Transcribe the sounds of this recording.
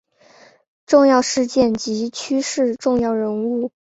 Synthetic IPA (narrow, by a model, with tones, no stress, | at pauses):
ʈ͡ʂʊ˥˧ŋjɑ˥˧ʊʂɻ̩˥˧t͡ɕjɛ˥˩nt͡ɕi˧˥t͡ɕʰy˥ʂɻ̩˥˧ʈ͡ʂʊ˥˧ŋjɑ˥˩ʊɻə˧˥nu˥˩